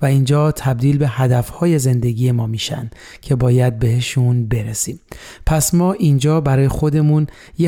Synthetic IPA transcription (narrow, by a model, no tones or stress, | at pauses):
væind͡ʒɒːt̪ʰæb̚d̪iːlbe̞hæd̪æfhɒːje̞ze̞nd̪e̞ɡiːje̞mɒːmiːʃæ̰nd̪̥ | cʰe̞bɒːjæd̪̚be̞he̞ʃunbe̞ɾesiːm | pʰæsmɒːʔind͡ʒɒːbæɾɒːjexo̞d̪e̞mun | je